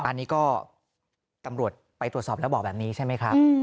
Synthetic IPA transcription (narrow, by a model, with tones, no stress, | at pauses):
ʔa˧nːiː˦˥kɔː˥˩ | t̪a˧mɾu˨˩ət̪̚pa˧jt̪ɾu˨˩t̪sɔː˨˩p̚lɛ˦˥bɔː˨˩k̚bɛː˨˩p̚niː˦˥t͡ɕʰa˥˩jma˦˥jkʰa˦˥p̚ː